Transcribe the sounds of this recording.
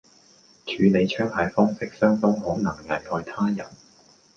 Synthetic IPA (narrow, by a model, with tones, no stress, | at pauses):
t͡ʃʰyː˨˧ne˨˧jt͡ʃʰœː˥ŋhɐ˨jfɔː˥ŋsɪ˥k̚sœː˥ŋfɔː˥ŋho˨˥wnɐ˨˩ŋŋɐ˨˩jhɔː˧jt̪ʰaː˥jɐ˨˩n